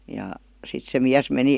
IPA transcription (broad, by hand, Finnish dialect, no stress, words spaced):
jɑ sit se miæs meni